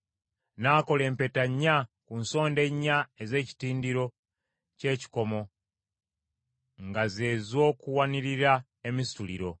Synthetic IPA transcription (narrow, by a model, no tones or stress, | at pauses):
naːko̞le̞ːmpe̞taɲːakunso̞ːnde̞ɲːaeze̞ːci̥tiːndiɾo̞ | ce̞ːci̥ko̞mo̞ | ŋɡaze̞ːzo̞ːkuwaniɾiɾa | e̞mistulḭɾo̞